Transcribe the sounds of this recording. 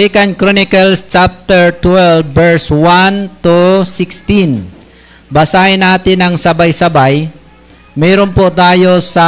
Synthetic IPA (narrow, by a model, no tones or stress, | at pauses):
ikankɾonɪkalst͡ʃap̚t̪ɛɹt̪wɛlbːɛɹswant̪usɪkst̪in | basaɪnaːt̪ɪnaŋsabajsabaj | mɛɾompʊʔd̪ajosa